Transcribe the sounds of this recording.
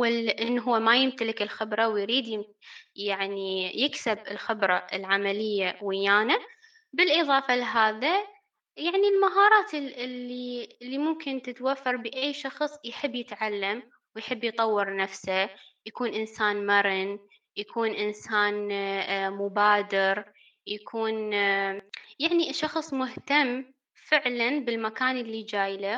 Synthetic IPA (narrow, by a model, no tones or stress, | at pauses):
ɪlʔɪnːɦʊːamajɪmt̪alɪkɪlxɪbɾˤɑwjɾiːd̪jɪm | jaʕnijɪksɪbɪlxɪbɾˤɑʔɪlʕamalɪjːawɪjːaːna | bɪlʔɨðˤɑːfalɦaːða | jaʕnilmaɦɑːɾˤɑːt̪ɪɪlːiɪlːimʊmkɪnt̪ɪt̪wafːɑɾˤbɪʔajːʃɑxsˤjħɪbːjɪt̪ʕalːam | wjħɪbːjt̪ˤɑwːɪɾnafsajakuːnʔɪnsaːnmaɾɪn | jakʰuːnʔɪnsaːn | mʊbaːd̪ɪɾ | jakʰuːn | jaʕniʃɑxsˤmʊht̪amː | fɪʕlanbɪlmakaːnʔɪlːid͡ʒaːjla